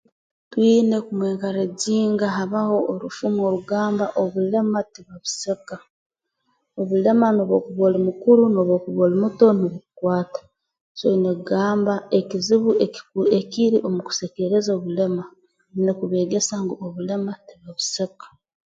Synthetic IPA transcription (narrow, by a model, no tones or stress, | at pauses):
twiːne̞kumweːŋkaɾeɟiːŋɡaɦaβaho̞ːɾufumo̞ɾuɡaːmbaʔoβule̞matiβaβu̥seka | oβule̞manoːβoːkuβolimukuɾunoːβo̞ːkuβolimuto̞noβukukwaːtḁ | soineɡaːmbaekiziβueekiɾiʔomuku̥seke̞ɾezoːβule̞ma | nekuβe̞ːɡesaŋɡooβule̞matiβaβusekḁ